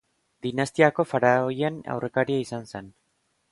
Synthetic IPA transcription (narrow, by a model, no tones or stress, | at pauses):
d̪inast̪iako̞faɾaojena̰wre̞kaɾiaisanse̞n